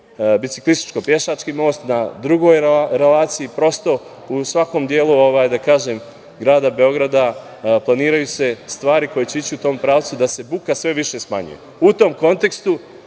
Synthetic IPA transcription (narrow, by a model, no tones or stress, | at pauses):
bit̪i̥klist̪i̥t͡ʃko̞pje̞ʃat͡ʃkimo̞ːst̪nad̪ɾuɡo̞jɾe̞laːt̪siipɾo̞st̪o̞ | usʋako̞md̪jeːluoʋaːjd̪akaːʒe̞ːm | ɡɾaːd̪abe̞o̞ɡɾad̪a | plˠaniːɾajuse̞st̪ʋaːɾikojet͡ɕe̞it͡ɕiut̪o̞ːmpɾaːʋt̪sud̪ase̞bukasʋe̞ʋiʃe̞sma̰ɲṵjḛ | ut̪o̞mko̞nt̪e̞kst̪u